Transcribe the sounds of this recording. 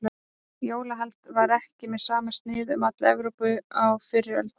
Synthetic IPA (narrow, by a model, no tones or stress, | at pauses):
joːwlaɦalt̪vaɾɛhcɪmɛðsaːmast̪nɪːðʏmat̪lɛvɾowpʏawfɪrːɪœ̰lt̪